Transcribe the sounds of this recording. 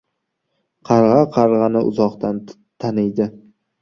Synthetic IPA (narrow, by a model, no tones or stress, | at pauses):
qʰɑɾʁɑqʰɑɾʁɑnɪʔʊ̰zɒqt̪an | t̪ʰanɪjd̪ɪ